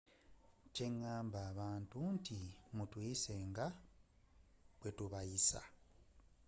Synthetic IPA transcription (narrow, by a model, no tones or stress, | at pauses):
ce̞ŋːaːmbaːβaːntuntʰimutwiːse̞ːŋɡa | βwetuβajisa̰